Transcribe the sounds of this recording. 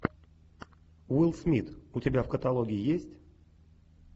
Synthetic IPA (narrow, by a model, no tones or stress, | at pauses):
wilˠsmʲit̪utʲɪbʲafkət̪alˠoɡʲɪɪjesʲtʲ